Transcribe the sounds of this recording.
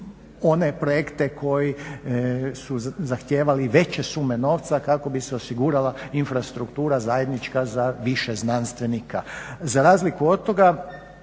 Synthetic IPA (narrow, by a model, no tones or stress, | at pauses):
o̞ne̞pɾo̞jekt̪ekʰo̞ji | suzaxt̪je̞ːʋaliʋe̞t͡ɕe̞sume̞no̞ːʋt̪sakako̞biseo̞siɡuːɾalainfɾast̪ɾukt̪uːɾazaje̞d̪nit͡ʃkazaʋiʃeznanst̪ʋe̞nikazaɾaːzlikuo̞d̪̚t̪ːo̞ɡa